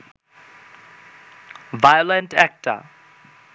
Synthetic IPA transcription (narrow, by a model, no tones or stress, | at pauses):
vajɔlə̃ntæk̚tʰə̰